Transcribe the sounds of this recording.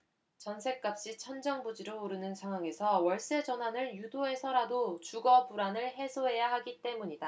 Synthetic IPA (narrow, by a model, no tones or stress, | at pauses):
t͡ɕʌnsʰe̞k͈̚ap̚ɕ͈it͡ɕʰʌnd͡ʑʌŋbud͡ʑiɾouɾɯnɯnsʰaŋɦwaŋe̞sʰʌwʌɭs͈e̞d͡ʑʌnɦwanɯɭjudoe̞sʰʌɾadot͡ɕuɡʌbuɾanɯɭɦe̞sʰoɦe̞jaɦaɡit͈e̞muɲida